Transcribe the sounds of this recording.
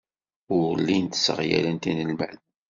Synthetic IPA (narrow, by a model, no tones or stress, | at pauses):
ʊɾlːint̪ə̥sə̰ʁjæ̰lənt̪inəlmæ̰n